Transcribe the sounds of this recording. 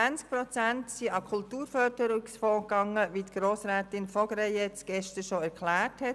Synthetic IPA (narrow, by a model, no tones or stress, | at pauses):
ænt͡sk̚pɾɔt͡sæntsiɑkʰʊltuːɾfœɾdəɾuksfɔːkɑŋəʋiːtɡ̥ɾoːsɾɛːtɪnfɔɡ̥ɾɛjɛt͡sɡ̥ɛʃtəɾʃoæɾkʰlæːɹthɛt